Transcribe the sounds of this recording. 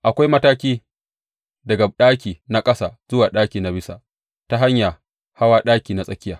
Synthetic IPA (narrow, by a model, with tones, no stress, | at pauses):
ʔa˨kʷa˦jmɐ˦taː˦kʲiː˦ | dɐ˨ɡa˨ɗaː˦kʲiː˨na˦kʼɐ˦sa̰ː˨z̥ʊ˦waː˨ɗaː˦kʲiː˨na˨bɪ˦sa̰˨ | ta˦ɦa˦ɲjaː˨ | ha˦waː˦ɗaː˦kʲiː˨na˦sʼɐ˦kʲɪ˦jaː˨